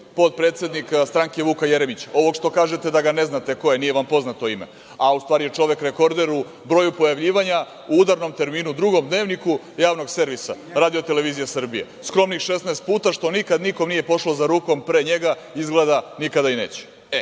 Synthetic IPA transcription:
po̞t̪̚pɾet̪se̞d̪nikst̪ɾaŋke̞ʋuːkajeɾemit͡ɕo̞ʋo̞ɡʃt̪o̞kaːʒet̪e̞d̪aɡane̞znat̪e̞ko̞jenijeʋampo̞znat̪o̞imḛ | aust̪ʋaːɾijet͡ʂo̞ʋe̞kɾe̞ko̞ɾd̪e̞ɾu | bɾojupojaʋʎiːʋaɲa | uud̪aɾno̞mt̪e̞ɾmiːnud̪ɾuɡo̞md̪ne̞ːʋniku | jaːʋno̞ɡse̞ɾʋisa̰ | ɾaːd̪ijo̞t̪e̞le̞ʋiːzijasr̩bijḛ | skɾo̞mnixʃesnaːst̪̚puːt̪aʃt̪o̞nikad̪niko̞mniːje̞po̞ʂlo̞zaɾuːko̞mpɾeɲe̞ɡa | izɡled̪anikad̪aine̞ːt͡ɕɛ̥ | e

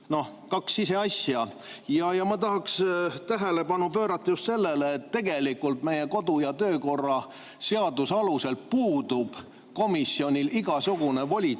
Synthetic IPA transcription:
no̞h | kɑksise̞ɑsjɑ | jɑjɑmɑt̪ɑɦɑkst̪æɦele̞pɑnupø̞ːɾɑt̪ːɑjust̪se̞lːe̞leːt̪ːe̞ɡ̥e̞likːult̪me̞je̞ko̞d̪ujɑt̪ø̞ːko̞rːɑ | se̞ɑd̪̥usɑluse̞lpuːd̪̥ub̥ | ko̞misːjo̞nʲiliɡ̥ɑsuɡ̥une̞vo̞lʲi

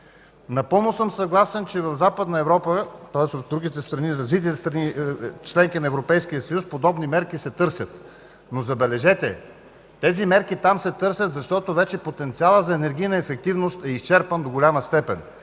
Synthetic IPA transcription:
nɐpɤlˠnosɤmsɐɡlˠasɛnt͡ʃɛvɐvzapəd̪nɐɛvɾɔpət̪ɔɛsot̪d̪ɾuɡit̪ɛst̪ɾɐniɾɐzvit̪̬it̪ɛst̪ɾɐnit͡ʃlɛŋkinɐɛvɾopɛjskijəsɐjuspod̪ɔbnimɛɾkisɛt̪ɤɾsʲɐt̪ | nozɐbɛlɛʒɛt̪ɛ | t̪ɛzimɛɾkit̪amsɛt̪ɤɾsʲjɐt̪zɐʃt̪ɔt̪ovɛt͡ʃɛpot̪ɛnt̪sialˠəzɐɛnɛɾɡ̟ʲijnɐɛfɛk̚t̪ivnost̪ɛist͡ʃɛɾpənd̪oɡʊlʲaməst̪ɛpɛn

